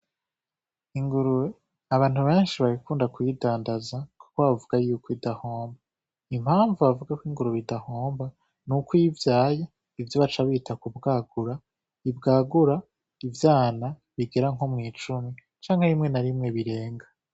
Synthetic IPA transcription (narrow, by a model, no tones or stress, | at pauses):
iŋɡuɾuwe | aβaːn̥uβe̞ːnʃiβaβikuːndakujidaːndazaku̥koβavuɡ̥ajukʰoidahoːmba | im̥haːɱvuβavuɡakwiŋɡuɾuβidahoːmba | nukojivjaːja | ivjoβat͡ʃaβiːtakubɡaːɡuɾa | ibɡaːɡuɾa | ivjaːna | βiɡe̞ɾaŋɦomŋiːt͡ʃumi | t͡ʃaːŋhaɾimŋe̞naɾimŋe̞βiɾe̞ːŋɡa